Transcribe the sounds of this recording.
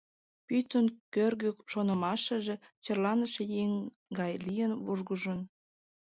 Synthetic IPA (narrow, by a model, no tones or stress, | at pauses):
pyt̪ənkørɣøkʃonə̆mɑʃəʒet͡ɕərlɑnəʃejeŋ | ɡɑjlijənβurɣuʒən